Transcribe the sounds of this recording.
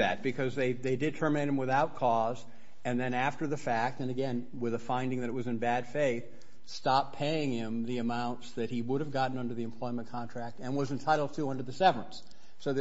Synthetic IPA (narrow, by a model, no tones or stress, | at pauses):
ɨt̚b̥ɨkʰʌzðeɪðeɪdɨtʰɜ˞mɨ̃ɾ̚ɨ̃mwɨθaʊt̚kʰɔz | ɨ̃nðɨ̃næftə˞ðɨfæk̚tɨ̃nɨɡɛ̃n | wɪðəfãɪ̃ndɪ̃ŋðɨɾɨt̚wʌzɨ̃nbæd̥feɪθ | stɑpʰeɪɪ̃ŋɪ̃mðiɨmãʊ̃ntsðɨt̚hiwʊɾɨvɡɑʔn̩ʌ̃ndə˞ðiɨ̃mpʰl̥ɔɪmə̃nkʰɑ̃ntʰɹ̥æk̚tɨ̃nwʌzɨ̃ntʰaɪɾl̩ˠd̚tʰəʌ̃ndə˞ðɨsɛvə˞ə̃ns | soʊð